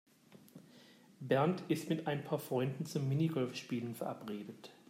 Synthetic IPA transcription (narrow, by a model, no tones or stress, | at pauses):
bɛɐntɪstmɪtʔaɪnpʰaːɐfʁ̥ɔʏndn̩t͡sʊmːɪniɡɔlfʃpiːlənfɛɐʔapʁeːdət